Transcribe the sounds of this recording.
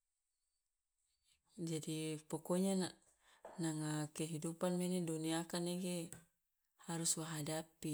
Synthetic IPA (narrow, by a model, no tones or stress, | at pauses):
d͡ʒadipɔkɔɲana | naŋakɛɦidupanmɛniduniakaneɡe | haɾuswaɦadapi